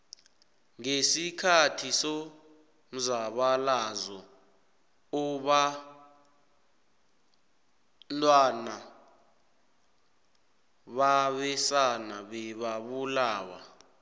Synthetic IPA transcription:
ŋesikʰatʰiso | m̩zaɓalazɔ | uɓa | ntʼwana | ɓaɓɛsanaɓɛɓaɓulaːwa̰

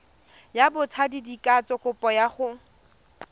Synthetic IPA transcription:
jabʊt͡sʰadidikʼat͡sʼɔkʼʊpʼɔjaχʊ

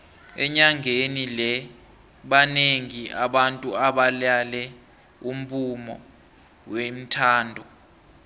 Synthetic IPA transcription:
ɛ̰ɲaŋʱenilɛ | ɓaneŋiaɓantʼuaɓalalɛ | um̩pʰʼumɔ̰ | wem̩tʰaːndʱɔ

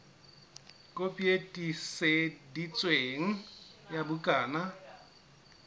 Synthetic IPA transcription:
kʼopʼietʼisedit͡sʼweːŋ̩jabʊkʼaːna

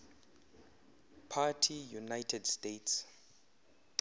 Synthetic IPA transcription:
pʰatʰijunajtʰɛdstetʰs

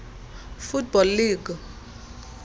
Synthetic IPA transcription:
fut̚bɔlːiːɡ̥

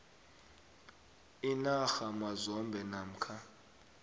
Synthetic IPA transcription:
inaxamazɔmbʱɛnam̩kʰa

